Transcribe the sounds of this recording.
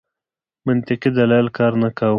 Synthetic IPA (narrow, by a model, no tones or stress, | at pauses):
mɪnt̪ɪqid̪alɑjɪlkɑɾnakaw